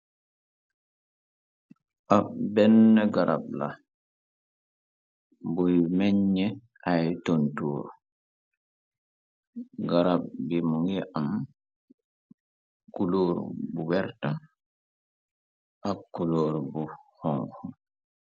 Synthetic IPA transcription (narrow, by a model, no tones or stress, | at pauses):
ʔabɛnːɛɡaɾʔa̰b̚la̰ | bujmɛɲːɛ | ʔajtontuːɾ | ɡaɾab̚bimuŋɛʔam | kuloːɾ̰buwɛɾta | ʔakːuloːɾbuhɔŋxɔ